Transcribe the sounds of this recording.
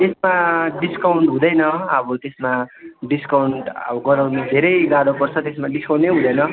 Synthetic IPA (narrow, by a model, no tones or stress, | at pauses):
t̪esmaɖiskawɳʈɦũd̪ʌjnʌʌbʌt̪esmaɖiskawɳʈʌ̰bʌɡʌɾawnud̪ʱeɾʌjɡad̪upʌrt͡sʰʌt̪esmaɖiskaw̃ɳʈeɦũd̪ʌjnʌ